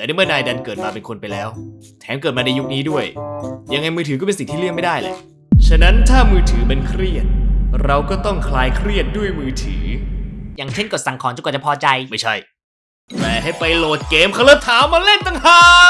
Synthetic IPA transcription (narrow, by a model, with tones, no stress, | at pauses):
ɛː˨˩naː˦˥˩mɯ˥˩naː˧jda˧nkɤː˨˩t̪̚maː˧pe˧nkʰo˧npa˧jlɛː˦˥w | t̪ʰɛː˩˦mkɤː˨˩t̪̚maː˧na˧ju˦˥k̚niː˦˥du˥˩əjja˧ŋa˧jmɯː˧t̪ʰɯː˨˦kɔ˥˩e˧nsi˨˩ŋt̪ʰiː˥lɯ˥˩ŋma˥˩jdaː˥˩jlḛ˨˩ | t͡ɕʰa˧na˦˥nt̪ʰaː˥˩mɯː˧t̪ʰɯː˩˦ma˧nkʰɾi˥˩ət̪̚ɾa˧wkɔː˥˩t̪ɔ˥˩ŋkʰlaː˧jkʰɾi˥˩ət̪̚du˥˩əjmɯː˧t̪ʰɯ̰ː˩˦jaː˨˩ŋt͡ɕʰe˥˩nko˨˩sa˨˩ŋkʰɔː˨˦nt͡ɕa˧˩kːt͡ɕa˨˩pʰɔː˧t͡ɕa˧jma˥˩jt͡ɕʰa˥˩j | pɛː˧˩ɦa˥˩jpa˧jloː˨˩t̪̚keː˧mkʰa˧lɤː˦˥t̪ʰːaː˨˦wmaː˧le˥˩nt̪a˧ŋhaː˨˩